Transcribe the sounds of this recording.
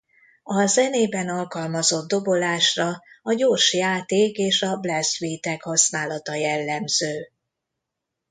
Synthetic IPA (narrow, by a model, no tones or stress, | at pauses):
ɒzɛneːbɛnɒlkɒlmɒzo̞d̪̚ːo̞bo̞laːʃrɒɒɟoːrʃjaːt̪eːkeːʃɒblɛsʋiːt̪ɛkhɒsnaːlɒt̪ɒjɛlːɛmz̥øː